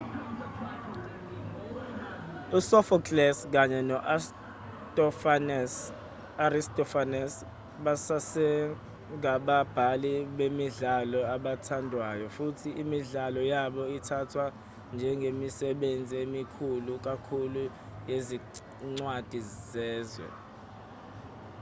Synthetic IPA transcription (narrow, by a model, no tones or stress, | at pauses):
usɔfɔkʼlɛsk̬aɲɛnɔʔ | t | aristɔfanɛs | ɓasasɛ | ŋʱaɓab̥ʱaliɓemiɮalɔaɓatʰandʱwajɔfutʰiʔimiɮalɔjaɓɔitʰatʰwa | nd͡ʒʱɛŋɡʱemisɛɓend͡zʱiemikʰuluk̬akʰulu | jezi | ŋ͡ǀwad̥ʱizɛːzwɛ̰